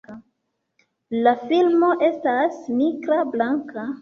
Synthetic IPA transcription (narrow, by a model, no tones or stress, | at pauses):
lafilmo̞ʔe̞stasmikɾablaŋka